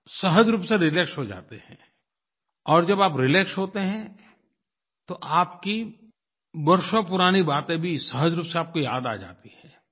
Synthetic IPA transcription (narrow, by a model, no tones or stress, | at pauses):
sɐɦəd͡ʒɾuːpseɾɪleksɦod͡ʒa̰ːt̪ehɛ̃ | ɔːɾd͡ʒɐbaːpɾɪleːksɦoːt̪eɦɛ̃ | t̪oʔaːpki | bɐɾʃopʊɾaːnibaːt̪ẽbʱisɐɦəd͡ʒɾuːpseaːp̚kojaːd̪a̰ːd͡ʒa̰ːt̪ihɛ̃ː